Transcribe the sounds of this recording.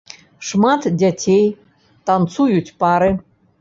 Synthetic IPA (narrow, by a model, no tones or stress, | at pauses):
ʂmɑt̪dʲatʲʰej | t̪ɑnt͡sujutʲpɑɾɨ